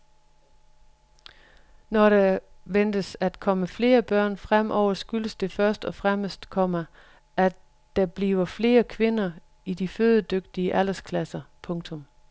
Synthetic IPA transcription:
nɒɾ̥æʋend̥əsæd̥kʰɒ̽məfle̝ːɐb̥ɶɐ̰nfʁam̰ʔɒʊ̰ɐsɡ̥yləsd̥e̝fɶɐsd̥ɒ̽fʁaməsd̥kʰɒ̽mə | ʔæ | d̥æb̥liːʊɐfle̝ːɐkʰʋe̝nɐ | id̥iføðˠd̥øɡ̥̚d̥iəʔæl̰ɐskʰlæsɐpʰɔ̽ŋt͡sʰɔ̽m

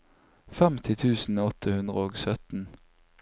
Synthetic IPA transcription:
fɛmt̪ʰɪt̪ʰʉːsn̩ɔt̪ʰəhʉnd̪ʁə̰oːɡsœt̪n̩

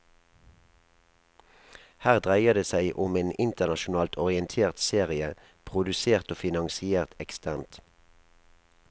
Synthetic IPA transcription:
hæːʁd̪ʁæɪəd̪eːsæɪʔʊmeːnɪnt̪əʁnɑʃʊnɑːlt̪ʰɔʁɪənt̪ʰeːʁt̪seːʁɪə | pʰʁʊd̪ʉseːʁt̪oːfɪnɑŋsɪeːʁt̪ɛkst̪ʰæːʁnt̪

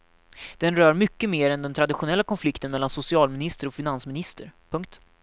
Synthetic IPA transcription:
d̪̥ɛnɾœːɾmʏkːəmeːɾɛnd̪ɛnt̪ʰɾad̪ɪɧʊnɛlːakʰɔnflɪkt̪ənmɛlːansʊsɪɑːlmɪnɪst̪əɾɔfɪnansmɪnɪst̪əɾpʰɵŋk̚t̪

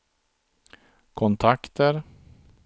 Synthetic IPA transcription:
kʰɔnt̪ʰakt̪əɾ

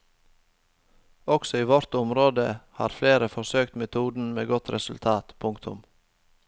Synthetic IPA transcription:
ɔksɔiːʋɔɾt̪ʊmɾoːd̪əhɑ̰ːɾfleːɾəfɔsøːkt̪mɛt̪ʰuːd̪n̩meːɡɔt̪ɾɛsʉlt̪ʰɑːt̪pʰʊŋkt̪ʰʊ̰m

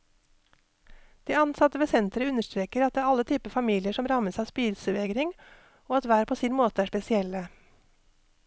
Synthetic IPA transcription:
d̪̥iːɑnsɑt̪əʋeːsɛnt̪ɾəʉnəʃt̪ɾeːkəɾɑt̪̚d̪eːɾɑlət̪ʰyːpəfɑmiːlɪəʃɔmɾɑməsɑːspiːd̪səʋeːɡɾɪŋ | oːɑt̪ʋæːɾəpʰoːsiːnmoːt̪əæːʂpɛsɪɛlə

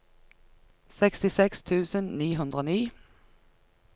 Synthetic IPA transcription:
sɛkst̪ɪsɛkst̪ʰʉːsənniːɦʉnd̪ʁoːniː

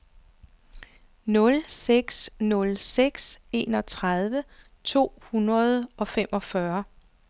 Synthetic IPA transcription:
nɔ̽lseɡ̥snɔ̽lseɡ̥se̝ːnɒ̽t͡sʰʁað̞ˠʋə | t͡sʰo̝̰ːhunʁɐð̞ˠɒ̽fem̰ʔɒ̽fɶɐ

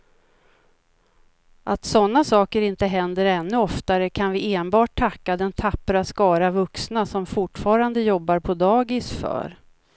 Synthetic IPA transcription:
ʔat̪sɔnːasɑːkəɾɪnt̪əɦɛnd̪əɾɛnːɵɔft̪aɾəkʰanvɪeːnbɑːʈ̚t̪ʰːakːad̪ɛnt̪ʰapːɾaskɑːɾavɵksnasɔmfʊʈfɑːɾand̪əjɔbːaɾpʰɔd̪ɑːɡɪsfœ̰ːɾ

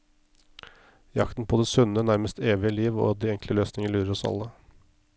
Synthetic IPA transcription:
jɑkt̪n̩pʰoːd̪eːsʉnənæɾməst̪ʰeːʋɪəliːʋo̰ːd̪iːɛŋkʰləløːsnɪŋəɭʉːɾəɾɔsɑ̰lːə

